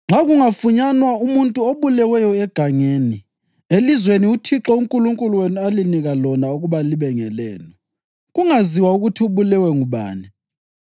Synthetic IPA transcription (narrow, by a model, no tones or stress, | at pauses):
ŋ͡ǁaɣuŋafuɲanwaumuntʼuoβulɛwɛjɔɛɡ̥ʱaŋeːni | elizweniutʰiǁɔuŋkʼuluŋkʼuluwenialiniɣalɔnauɣuβaliβɛŋɛlɛ̰ːnɔ | ɣuŋaziwauɣutʰiuβulɛwɛŋuβa̰ːni